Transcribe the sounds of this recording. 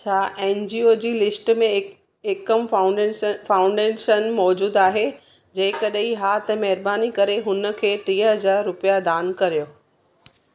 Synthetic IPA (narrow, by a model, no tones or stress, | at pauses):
t͡ɕʰaːʔɛːnd͡ʑiːod͡ʑiːlɪsʈmẽ | ɪkəm | fãːʊ̃ɳɖeːʃənmɔːd͡ʑuːd̪aːɦe | d͡ʑɐ̃ɦɪ̃kɐɗɦiɦaːt̪əmɐɦɪɾbaːnikɐɾeɦʊnə̆kʰeːt̪ɾiːəɦɐzaːɾːʊpijad̪aːnkɐɾijoː